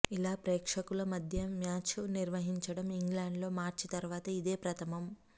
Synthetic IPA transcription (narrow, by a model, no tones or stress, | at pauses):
ilaːpɾeːkʂɐkulɐmɐd̪ʱjɐmjaːt͡ʃniɾʋɐɦiɲt͡ʃɐɽɐmiŋɡlaːɳɖlo̞ːmaːɾt͡ʃit̪ɐɾuʋaːt̪ɐid̪e̞ːpɾɐt̪ʰɐmɐm